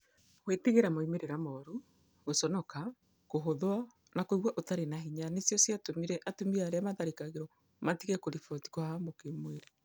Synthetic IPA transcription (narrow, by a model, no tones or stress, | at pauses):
weteɣeɾamoimeɾeɾamɔɾu | ɣosɔnɔka | koɦoðwa | nakoiɣwaʔotaɾenaɦiɲanesjɔsjatomiɾɛʔatomiɾaɾeamaðaɾikaɣeɾɔ | matiɣɛkoɾifɔti̥kwɔhamokemweɾe